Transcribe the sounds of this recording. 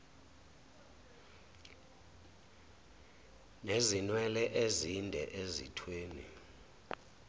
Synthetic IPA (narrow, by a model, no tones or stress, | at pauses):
nezinwɛlɛʔezindʱɛʔezḭtʰweːnḭ